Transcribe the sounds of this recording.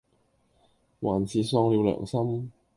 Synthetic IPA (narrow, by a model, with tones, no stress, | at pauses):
waː˨˩nt͡sʰiː˨˧sɔː˧ŋliː˨˧wlœ̰ː˨˩ŋsɐ˥m